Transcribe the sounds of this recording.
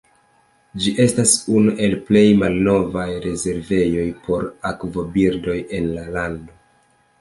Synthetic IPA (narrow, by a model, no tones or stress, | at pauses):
d͡ʒiʔe̞stasunuʔe̞lple̞jmalno̞vajɾe̞ze̞ɾve̞jo̞jpʰo̞ɾakvo̞biɾdo̞je̞nlalando̞